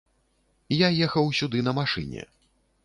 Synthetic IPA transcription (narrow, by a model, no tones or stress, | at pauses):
jajɛxɐwsʲud̪ɨnɐmaʂɨ̰nʲɛ̰